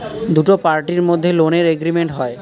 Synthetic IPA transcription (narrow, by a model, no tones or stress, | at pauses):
d̪uʈopaɾʈiɾmod̪ʱːeloneɾeɡɾimeɳʈɦɔe